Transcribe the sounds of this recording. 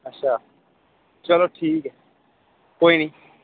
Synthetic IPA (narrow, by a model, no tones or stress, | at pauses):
ɐtːʃʰa | t͡ʃalɔʈʰiːkɛ | koinĩ